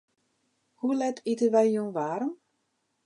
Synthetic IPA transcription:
hulɛtʰitəʋɛjjunʋaːɾəm

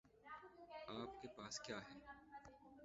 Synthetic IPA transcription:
aːp̚kepaːskjaːɦɛː

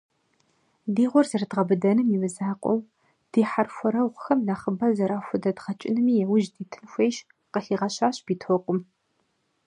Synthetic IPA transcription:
diːʁʷɔrzɨrɨdʁɐbɨdɐnɨmiwɨzaːqʷʼɔ̰w | d̥iːħarxʷɔɾɐwʁʷʊxɐmnaχəbɐzɐɾaːxʷʊdɐdʁɐt͡ʃʼɪnɨmiːjɛwʊʒdiːtʰɨnxʷejʃ | qəɬiːʁɐɕaːɕʼb̥iːtʰoqʷʼʊm

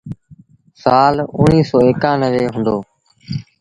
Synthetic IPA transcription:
saːlʊniːsɔːeːkãːnəʋeːɦʊ̃nd̪oː

